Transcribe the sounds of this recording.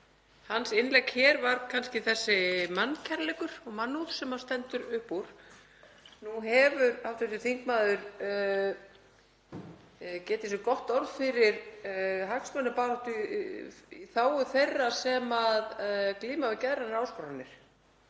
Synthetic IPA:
hansɪnlɛkhɛːɾvaɾkʰanscɪθɛsːɪmanːcʰɛɾlɛkʏɾ̥ɔɣmanːut̪sɛmḁst̪ɛnt̪ʏɾʏhpuɾ̥ | nuɦɛvʏɾawft̪ʏt̪ʏθiŋk̚maːðʏɾ | cɛːt̪ɪsʏkɔht̪ɔɾðfɪɾɪɾɦaksmœnːʏpaːɾɔht̪ʏ | iθaːwʏθejrːasɛmaðkliːmavɪcɛðɾanɪɾawskɔɾanːɪɾ̥

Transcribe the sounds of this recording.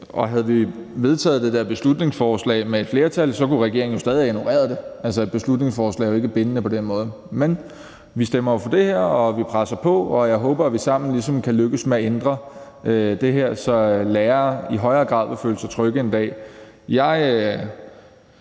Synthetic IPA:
ʔɒ̽ɦæðˠʋi | ʋe̝ð̞ˠt͡sʰɛ̰ːð̞̩ˠd̥e̝d̥eɐb̥e̝slud̥̚ne̝ŋsfɒːslɛ̰ːɪmeed̥fle̝ːɐt͡sʰælsɒ̽kuʁaɡ̥e̝ɐeŋ̩jo̝sd̥ɛːðieeno̝ʁɛ̰ːɐðˠd̥e̝ʔælsə̥b̥e̝slud̥ne̝ŋsfɒːslɛ̰ɪjoe̝ɡ̥əb̥enənəpʰɒ̽d̥enmɔ̽ːð̞ˠ | men | ʋisd̥emɐjo̝fɒ̽d̥e̝heɐ̰ɒ̽ʋipʰʁasɐpʰɒ̽ɒjɑ̈ɪɦɔːb̥ɐæʋisɑ̈m̰n̩lisɒ̽mkʰæløɡ̥əsmeæend̥ʁɐ | ʔød̥e̝ɦeɐ̰sɒ̽lɛːɐiɦɒ̽ɪɐːɡ̥ʁɑ̈ð̰ˠʋefø̰ːləsɑ̈t͡sʰʁœɡ̥əend̥ɛ̰ː | jɑ̈ɪ

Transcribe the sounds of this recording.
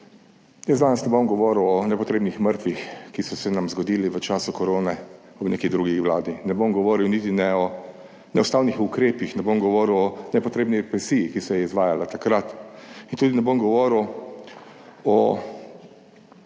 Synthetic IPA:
jəzd̪aːnasnɛbomɡɔʋɔːɾwɔnɛpɔt̪ɾeːbnixməɾt̪ʋixkisɔsɛnamzɡɔd̪iːliʋət͡ʃaːsukɔɾoːnɛ | ɔbnḛkid̪ɾuɡixʋlaːd̪inɛbomɡɔʋɔːɾiwnit̪inɛɔ | nɛʊst̪aːwnixukɾeːpixnɛbomɡɔʋɔːɾwɔnɛpɔt̪ɾeːbniɾɛpɾɛsiːjikisɔjɛizʋaːjalat̪akɾat̪int̪ud̪inɛbomɡɔʋɔɾw | ɔ

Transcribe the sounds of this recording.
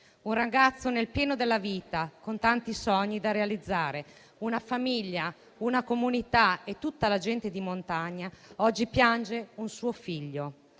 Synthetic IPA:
unraɡat̪sːonelpjɛːnod̪elːaviːt̪akont̪ant̪isɔɲːid̪arealid̪zːaːɾe | unafamiʎːa | unakomunit̪aet̪ːut̪ːalad͡ʒɛnt̪ed̪imont̪aɲːaɔd͡ʒːipjand͡ʒeunsuːofiʎːo

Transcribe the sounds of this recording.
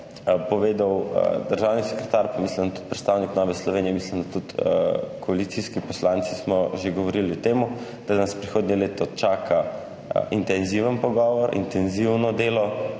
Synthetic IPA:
pɔʋeːd̪aw̰d̪əɾʒawnisɛ̥kɾɛt̪aɾpamisləmd̪at̪u̥t̪̚pɾɛt̪st̪aːwniknɔʋɛslɔʋeːnijɛmislimd̪at̪ut̪kɔalit̪siskipɔslaːnt̪sismɔʒeɡɔʋɔɾiliɔt̪eːmu | d̪̥anaspɾixoːd̪nɛleːt̪ɔt͡ʃaːkʰa | ʔint̪ɛnziʋənpɔɡɔʋɔɾʔḭnt̪ɛnziwnɔd̪eːlɔ

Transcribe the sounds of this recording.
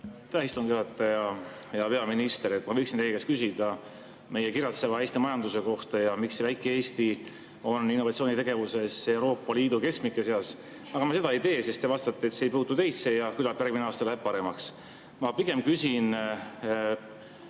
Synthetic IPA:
t̪æist̪uŋɡ̥juhɑt̪ːˑɑjɑ | jɑpe̞ɑminist̪eɾet̪mɑvɤjksinelkeskysid̪̥ɑ | me̞jekirjɑt̪sevɑejst̪imɑjɑnd̪̥use̞ko̞ht̪ɑjɑmiksevæjkːˑeeːst̪i | o̞nːinːoɑt̪sio̞ːnʲit̪e̞ɡ̥e̞vuse̞se̞wɾo̞ːpːˑɑliːd̪uke̞skmikːˑeseɑs | ɑɡ̥ɑmɑse̞d̪ɑejt̪e̞ːse̞st̪e̞vɑst̪ɑt̪ːeet̪sejpuːt̪ːut̪e̞jsːejɑkylɑpjærɡ̚mineɑːst̪ɑlæb̥̚pɑɾe̞mɑks | mɑpiɡe̞mkysin

